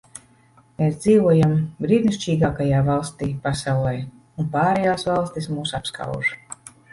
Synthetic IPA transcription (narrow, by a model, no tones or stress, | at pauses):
meːsd̪ziːvuɔjambɾiːd̪nist͡ʃiːɡaːkajaːvalˠst̪iːpasawlˠɛj | unpaːɾɛjaːsvalˠst̪ismuːsapska̰wʒ